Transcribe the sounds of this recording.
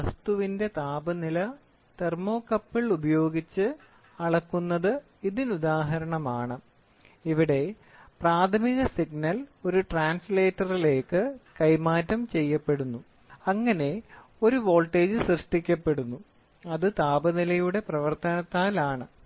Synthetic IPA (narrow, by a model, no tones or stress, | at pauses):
ɐst̪uʋinde̞t̪aːbɐnilɐ | t̪ermo̞ːkːɐpːiɭubɐjo̞ːɡit͡ɕːɨ | ɐɽɐkːunːɐðɨ | iðinud̪aːɦɐɾɐɳɐmaːɳɨ | iʋiɽe̞ | praːt̪ʰɐmiɣɐsiɡ̚nɐlo̞ɾuʈraːnsleːtːɐrile̞ːkːɨkɐjmaːtːɐmt͡ɕe̞jːɐpːe̞ɽunːu | ɐŋːɐne̞ | o̞ɾuʋo̞ːlʈe̞ːd͡ʑɨsrɨʂʈikʲːɐpːe̞ɽunːu | ɐðɨt̪aːbɐnilɐjuɽe̞prɐʋɐrt̪ɐnɐt̪ːaːlaːɳɨ